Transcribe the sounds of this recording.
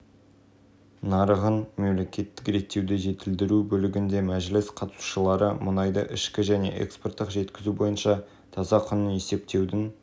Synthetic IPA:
nɑɾəʁənme̞mle̞kʲʰe̞t̪ːɪkɾe̞t̪ːe̞wd̪eʒe̞t̪ɪld̪ɪɾubɵlɪɡʲɪnd̪e̞mæʒlɪsqʰɑt̪ə̥su̥ʃəlˠɑɾəmʊnɑjd̪ə̰ʔɪʃkʲɪʒæne̞̰ʔḛkspo̞rt̪ːəqʒe̞t̪kʲɪzubo̞jənʃɑ | t̪ʰɑzɑqʰʊnəne̞se̞p̚t̪e̞wd̪ɪn

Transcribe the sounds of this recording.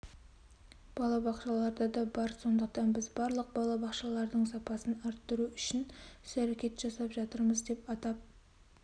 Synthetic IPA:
b̥ɑlˠɑbɑqʃɑlˠɑɾd̪ɑd̪ɑbɑɾso̞nd̪əq̚t̪ɑnbɪzbɑɾlˠəq̚bɑlˠɑbɑqʃɑlˠɑɾd̪əɴsɑpɑsənɑɾt̪ːəɾuʏʃɪnʏsæɾekʲe̞t̪ʒ̥ɑsɑpʒɑt̪əɾməzd̪e̞pɑt̪ɑp̚

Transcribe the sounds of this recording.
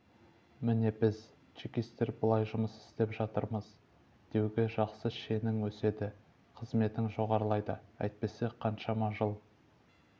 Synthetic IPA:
mɪne̞bɪz | t͡ʃikʲist̪e̞ɾbəlˠɑjʒʊməsɪ̥st̪e̞pʒɑt̪əɾməz̥ | d̪̥e̞wɡʲɪʒɑqsəʃe̞nɪŋwɵse̞d̪ɪ | qʰəzme̞t̪ɪŋʒo̞ʁɑɾəlˠɑjd̪əæ̰jt̪̚pe̞seqʰɑnʃɑmɑʒəlˠ

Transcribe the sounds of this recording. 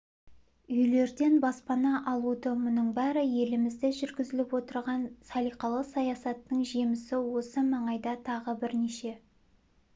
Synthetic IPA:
ʏjle̞ɾd̪e̞nbɑspɑnɑʔɑlˠud̪əmʊnəɴbæɾɪje̞lɪmɪzd̪ɪʒʏɾɡʲɪzɪlɪpwo̞t̪əɾʁɑnsɑlˠijqɑlˠəqsɑjɑsɑt̪ːəɴʒimɪsɪwo̞səmɑɴɑjd̪ɑt̪ʰɑʁəbɪɾneʃe

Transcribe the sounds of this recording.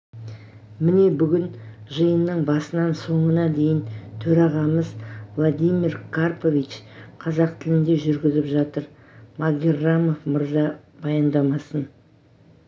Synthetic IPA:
mɪne̞bʏɡʲɪnʒəjənːəɴbɑsənɑnso̞ɴənɑd̪e̞jɪnt̪ʰɵɾɑʁɑməzvlˠod̪ijmiɾkʰarpo̞vʲit͡ʃqʰɑzɑq̚t̪ʰɪlɪnd̪e̞ʒʏɾɡʲɪzɪpʒɑt̪əɾ | maɡʲerːamo̞fməɾzɑb̥ɑjɑnd̪ɑmɑsən

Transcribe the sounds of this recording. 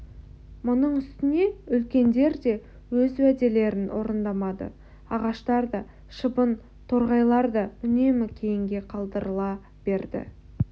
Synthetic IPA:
mʊnəɴʏst̪ɪne̞ʏlkʲe̞nd̪e̞ɾd̪e̞ | wɵzwæd̪e̞le̞ɾɪnwʔo̞̰ɾənd̪ɑmɑd̪ə̰ | ɑʁɑʃt̪ɑɾd̪ɑ | ʃəbən | t̪ʰo̞ɾʁɑjlˠɑɾd̪ɑʏne̞mɪkʲʰe̞jɪŋɡʲe̞qʰɑlˠd̪əɾəlˠɑ | b̥e̞ɾd̪ɪ̰

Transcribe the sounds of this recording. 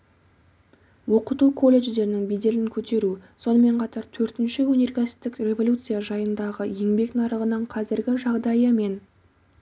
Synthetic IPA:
wo̞qət̪ukʰo̞lʲːe̞ʒd̪e̞ɾɪnɪŋbejd̪e̞lɪŋkʲʰɵt̪e̞ɾuso̞nəme̞ɴqʰɑt̪ɑɾt̪ʰɵɾt̪ɪnʃɪwɵne̞rkʲæsɪ̥t̪ːɪkrʲe̞vo̞lʲut̪sɨjaʒɑjənd̪ɑʁəje̞ŋbe̞knɑɾəʁənəɴqʰɑzɪɾɡʲɪʒɑʁd̪ɑjəme̞n

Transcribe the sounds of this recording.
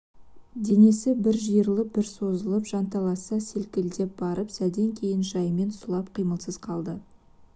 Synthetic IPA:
d̪e̞ne̞sɪbɪɾʒijəɾlˠəp̚bɪɾso̞zəlˠəpʒ̥ɑnt̪ɑlˠɑsɑse̞lkʲɪld̪e̞p̚b̥ɑɾəpsæd̪e̞ŋkʲʰe̞jɪnʒɑjme̞nslˠɑpqʰijməlˠsəz̥qʰɑlˠd̪ə

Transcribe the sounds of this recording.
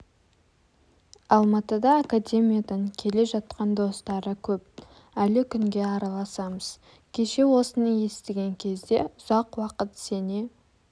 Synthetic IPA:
ɑlˠmɑt̪əd̪ɑːkadʲe̞mijad̪əɴkʲʰe̞le̞ʒɑt̪̚qɑnd̪o̞st̪ɑɾəkʲʰɵp̚ | ælɪkʲʰʏŋɡʲe̞ɑɾɑlˠɑsɑməz̥ | kʲʰe̞ʃe̞wo̞sənɑje̞st̪ɪɡʲe̞ŋkʲʰe̞zd̪e̞ʊz̥ɑqwɑqət̪se̞ne

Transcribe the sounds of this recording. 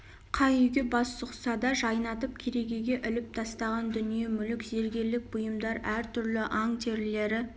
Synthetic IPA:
qʰɑjʏjɡʲebɑsːʊqsɑd̪ɑʒɑjnɑt̪əp̚kʲʰeɾe̞ɡʲe̞ɡʲe̞ʔʏlɪp̚t̪ʰɑst̪ɑʁɑnd̪ʏnije̞mʏlɪkze̞ɾɡʲe̞ɾlɪk̚b̥ʊjəmd̪ɑɾæɾt̪ʰʏɾlɪʔɑŋt̪ʰeɾle̞ɾɪ

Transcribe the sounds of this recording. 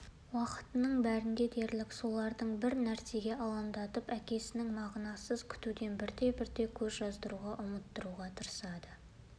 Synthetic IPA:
wɑqə̥t̪ənəɴbæɾɪŋd̪ʲe̞d̪e̞ɾlɪkso̞lˠɑɾd̪əɴbɪɾnæɾse̞ɡʲe̞ʔɑlˠɑmd̪ɑt̪əpækʲe̞sɪnɪŋmɑʁnɑsəzkʲʰʏ̥t̪ud̪e̞nbɪɾd̪e̞bɪɾd̪e̞kʲʰɵzʒɑzd̪əɾuʁɑʔʊmət̪ːəɾuʁɑt̪ʰəɾəsɑd̪ə

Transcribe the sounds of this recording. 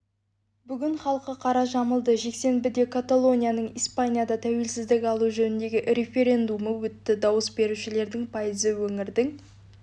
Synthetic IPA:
bʏɡʲɪɴχɑlˠəqəqʰɑɾɑʒɑməlˠd̪əʒe̞kse̞nbɪd̪e̞kʰat̪alˠo̞nʲijanəɴijspanʲijad̪ɑt̪ʰæwe̞lsɪzd̪ɪkʲɑlˠuʒɵnɪnd̪e̞ɡʲɪʔɾe̞fe̞ɾʲe̞nd̪uməwɵt̪ːɪd̪ɑwəsbe̞ɾuʃɪle̞ɾd̪ɪŋpʰɑjəzəwɵŋɪɾd̪ɪŋ

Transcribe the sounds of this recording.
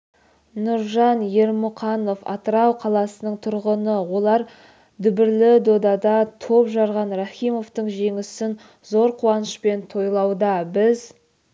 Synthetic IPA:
nʊɾʒɑnje̞ɾmʊqɑno̞fɑ̰t̪əɾɑwqʰɑlˠɑsənəɴt̪ʰʊɾʁənəwo̞lˠɑɾ | d̪ʏbɪɾlɪd̪o̞d̪ɑd̪ɑt̪ʰo̞pʒɑɾʁɑnɾaχijmo̞ft̪əɴʒe̞ŋɪsɪn | zoɾqʰuwɑnəʃpe̞nt̪ʰo̞jlˠɑwd̪ɑbɪz

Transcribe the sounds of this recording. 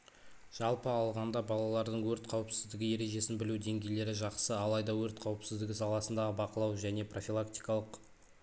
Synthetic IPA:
ʒ̥ɑlˠpəɑlˠʁɑnd̪ɑbɑlˠɑlˠɑɾd̪əɴwɵɾt̪qʰɑwəpsɪzd̪ɪɡʲɪje̞ɾe̞ʒe̞sɪnbɪlud̪e̞ŋɡʲe̞jle̞ɾɪʒɑqsəɑlˠɑjd̪ɑwɵɾt̪qʰɑwəpsɪzd̪ɪɡʲɪsɑlˠɑsənd̪ɑʁəbɑqəlˠɑwʒæne̞pro̞fʲilˠakt̪i̥jkɑlˠəq

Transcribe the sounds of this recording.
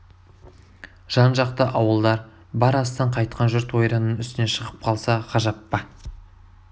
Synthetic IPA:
ʒ̥ɑnʒɑqt̪əʔɑwəlˠd̪ɑɾ | bɑɾɑst̪ɑɴqʰɑjt̪̚qʰɑnʒʏɾt̪wo̞jɾɑnənʏst̪ɪne̞ʃəʁəp̚qʰɑlˠsɑqʰɑʒɑpːɑ

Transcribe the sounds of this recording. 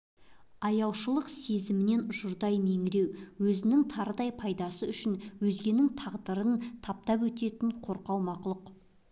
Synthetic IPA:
ɑjɑwʃəlˠəqse̞zɪmɪne̞nʊʒʊɾd̪ɑjme̞ŋɪɾe̞wwɵzɪnɪŋt̪ʰɑɾəd̪ɑjpʰɑjd̪ɑsəʏʃɪnwɵzɡʲe̞nɪŋt̪ʰɑʁd̪əɾənt̪ʰɑp̚t̪ɑpwɵt̪e̞t̪ɪɴqʰo̞ɾqɑwmɑqʊlˠəq

